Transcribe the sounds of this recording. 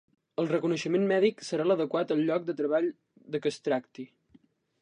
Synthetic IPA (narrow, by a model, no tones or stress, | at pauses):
əlˠrəkunəʃəmenmɛðiksəɾaləðəkwat̪əlˠʎɔk̚d̪ət̪ɾəβaʎ | ðəkəst̪ɾakt̪i